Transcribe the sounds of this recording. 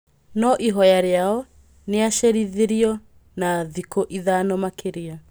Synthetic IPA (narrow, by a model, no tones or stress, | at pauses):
nɔʔiɦɔjaɾeaɔ | neaʃeɾiðeɾiɔ | naðikoʔiðaːnɔmakʰeɾia